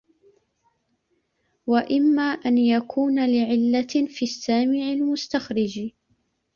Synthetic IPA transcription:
waʔɪmːaːʔanjakʰuːnalɪʕɪlːafiːsːaːmɪʕɪlmʊst̪axɾɪd͡ʒ

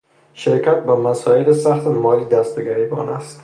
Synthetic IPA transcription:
ʃɪɾkʲʰat̪bamasɒɪlɪsaχt̪ɪmɒlid̪ast̪ɪɡʲaebɒ̰nast̪

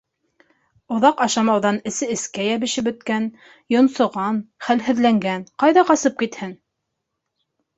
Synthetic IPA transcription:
ŏðɑqɑʃɑmɑwðɑnɘ̆sɘɘ̆skæjæβɘ̆ʃɘpɵ̆t̪kæn | jŏnsŏʁɑnχælɦɘ̆ðlæŋɡænqɑjðɑqɑsɤp̚kit̪hɘn

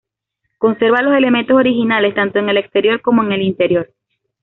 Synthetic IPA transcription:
ko̞nse̞ɾβalo̞se̞le̞me̞nt̪o̞so̞ɾixinale̞st̪ant̪o̞eŋe̞le̞kst̪e̞ɾjo̞ɾko̞moeŋe̞lint̪e̞ɾjo̞ɾ

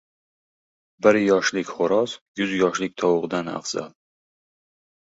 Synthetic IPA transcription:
bəɾjɒʃlikʲχʊɾɒsjuzjɒʃlik̚ʲt̪ʰɒwʊʁd̪ana̰fz̥a̰l

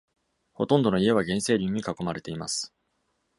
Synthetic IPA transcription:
ho̞t̪õ̞nd̪o̞no̞ie̞β̞aɡẽ̞ɰ̃se̞ːɾʲĩɲ̟ːikako̞maɾe̞t̪e̞imasɨ̥

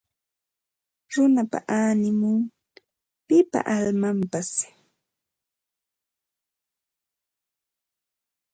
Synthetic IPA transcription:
ɾʊnapa̰ʔaːnɪmʊŋ | pɪpa̰ʔalmampas

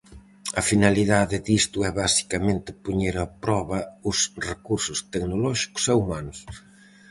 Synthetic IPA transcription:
ɐfinaliðaðɪðist̪ʊɛβasi̥kɐmẽnt̪ɪ̥puɲeɾɐpɾɔβɐʊsrekuɾsʊst̪ɛknolɔʃi̥kʊ̥sɛumanʊs

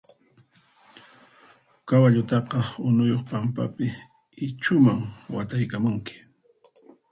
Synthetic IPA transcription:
kawaʎʊt̪ɑqɑʊnʊjoχpampa̰pɪ | ɪt͡ʃʊmaŋwat̪ajkamʊŋkɪ̥

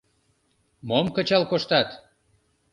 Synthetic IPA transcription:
momkə̆t͡ɕɑlkoʃt̪ɑt̪

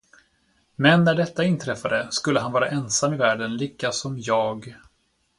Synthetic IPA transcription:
mɛnːæɖɛt̪ːaɪnt̪ʰɾɛfːad̪əskɵlːəɦanvɑːɾaʔɛnsamːɪvæːɖənliːkːasɔmjɑːɡ

